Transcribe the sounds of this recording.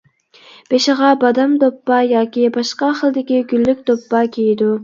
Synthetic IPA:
b̥eʃɪʁɑbɑd̪ɑmd̪opːɑjɑːkʲibɑʃqɑχəlˠd̪ɪkʲiɡʲylːykʲd̪opːɑkʲʰejid̪u

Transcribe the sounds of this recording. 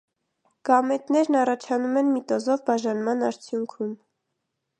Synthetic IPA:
ɡ̥ɑmɛt̪nɛɾnɑrɑt͡ʃʰɑnumɛnmit̪ɔzɔvbɑʒɑnmɑnɑɾt͡sʰjuŋkʰum

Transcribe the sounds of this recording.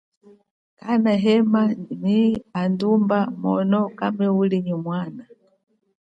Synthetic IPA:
kanaɦɛmaniandumbamɔ̰nɔkamɛuliɲimwaːna

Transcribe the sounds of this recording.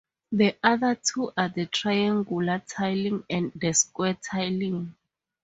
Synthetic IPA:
ðɛʔaðatʰuʔaðɛtʰrajãŋɡulatʰajlĩŋɛ̃ndɛskwɛtʰajlĩŋ

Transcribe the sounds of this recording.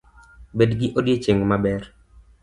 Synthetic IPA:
bedɡɪʔodjet͡ʃeŋmabɛr

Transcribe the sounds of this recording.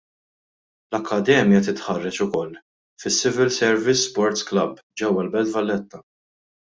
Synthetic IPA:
lɐkːɐd̪ɛːmjɐt̪ɪt̪ħɐrːɛt͡ʃʊkɔlː | fɪsːɪvɪlsɛɾvɪsːpɔɾt̪sklɐb | d͡ʒɛwːɐlbɛlt̪vɐlːɛt̪ːɐ

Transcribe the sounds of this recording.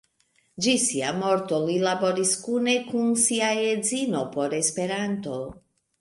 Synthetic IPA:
d͡ʒisiamo̞ɾt̪o̞lilabo̞ɾiskune̞kunsiajed͡zino̞po̞ɾespe̞ɾant̪o̞

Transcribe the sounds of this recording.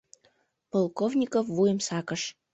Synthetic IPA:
polˠkovnʲikofvujəmsɑkəʃ

